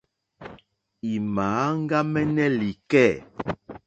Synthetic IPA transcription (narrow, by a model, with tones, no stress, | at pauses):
i˨maː˨˦ŋ˦ɡa˦mɛ˦nɛ˦li˨kɛ˦˨